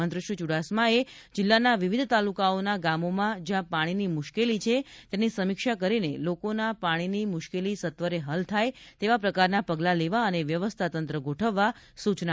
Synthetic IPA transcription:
ənt̪ɾəʃut͡ʃuɽasmae | d͡ʒɪlːanaʋiʋid̪ʱt̪alukaonaɡamomãd͡ʒjãpaɽ̃inimʊʃkelit͡ʃʰet̪janisəmikʃakəɾinelokonapaɽ̃inimʊʃkelisət̪ʋəɾeɦəlt̪ʰajt̪eʋapɾəkaɾnapəɡlaleʋaəneʋjəʋəst̪ʰat̪ənt̪ɾəɡoʈʰəʋːa | sut͡ʃna

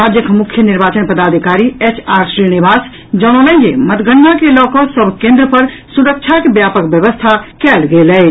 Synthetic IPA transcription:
ɾad͡ʒjəkmukʰjəniɾbaːt͡ʃənpəd̪aːd̪ʱikaːɾiet͡ʃaːɾʃɾinibʱaːs | d͡ʒɔnolə̃d͡ʒemət̪ɡəɳːakelɔkɔ̃səbʱkẽnd̪ɾəpəɾ | suɾək̚t͡ʃʰakebjapəkbjəʋəst̪ʰakɛːlɡelɛː

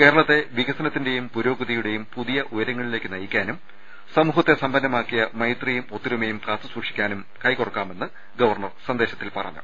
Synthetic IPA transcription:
keːɾɐɭɐt̪ːe̞ʋiɣɐsɐnɐt̪ːinde̞jumpuɾo̞ːɡɐðijuɽe̞jumpuðijɐʔujɐɾɐŋːɐɭile̞ːkːɨnɐjikʲːaːnum | sɐmuːhɐt̪ːe̞sɐmbɐnːɐmaːkːijɐmɐjt̪rijumot̪ːiɾumejumpaːt̪ːɨsuːʂikʲːaːnum | kɐjkorɐkːaːme̞nːɨ | ɡɐʋɐrɳɐrsɐnd̪e̞ːɕɐt̪ːilpɐrɐ̰ɲːṵ

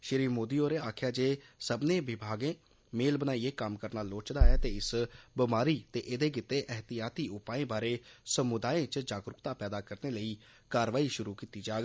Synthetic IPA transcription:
ʃɪɾiːmoːd̪iːoːɾeːaːkʰjaːd͡ʒeːsəbneːʋɪbʱaːɡẽː | meːlbənaːieːkəmkəɾnaːloːt͡ʃd̪aːɛːt̪eːɪsbɪmaːɾiːt̪eːʔɪd̪eːɡɪt̪ːeːʔɛɦt̪ɪjaːt̪iːʊpaːẽːbaːɾeːsəmʊd̪aːẽːt͡ʃd͡ʒaːɡɾʊkt̪aːpɛːd̪aːkəɾneːləiː | kaːɾʋaːiːʃʊɾuːkiːt̪iːd͡ʒaːɡ

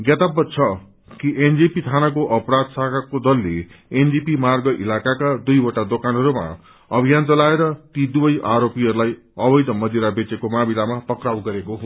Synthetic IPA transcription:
ɡjʌt̪abːʌt͡sʰʌ | kiʔend͡zipit̪ʰanak̬oʔʌpɾad̪sakʰakod̪ʌlːeend͡zipimarɡʌʔḭlakakad̪ujʌʈad̪okanɦʌɾuma̰ | ʌbʱijant͡sʌlaeɾʌt̪id̪ubʌjʔaɾopiɦʌɾulaj | ʌbʌjd̪ʌmʌd̪iɾabet͡sekomabilamapʌkrawɡʌɾekoɦ

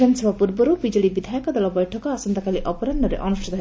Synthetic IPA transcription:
ɐnsɔbʱapuɾbɔɾubid͡ʒɔɽibid̪ʱajɔkɔd̪ɔlɔbɔjʈʰɔkɔasɐnd̪akaliʔɔpɔɾɐnɖɔɾḛʔɔnuʃʈʰit̪ɔɦ

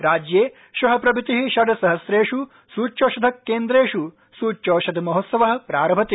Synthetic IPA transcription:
ɾaːd͡ʒjeː | ʃʋɐɦɐpɾɐbʱit̪iɦiʃɐɖ̪ɐsɐɦɐsɾeːʃu | suːt͡ʃoːʃɐd̪ʱɐkːeːnd̪ɾeːʃu | suːt͡ʃoːʃɐd̪ʱmɐɦot̪sɐʋɐɦɐ̆pɾaːɾɐbʱɐt̪i

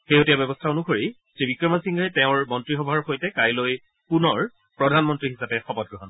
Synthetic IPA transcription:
xejotijabjɛbɔstʰaonuxoɹi | tɹibikɹɔmasiŋɡjtɛʊ̃ɹmɔntɹixɔbʱaɹxojtɛkajloj | punɔɹ | pɹɔdʱanmɔntɹiɦisapɛxɔpɔt̚ɡɹɔɦɔn

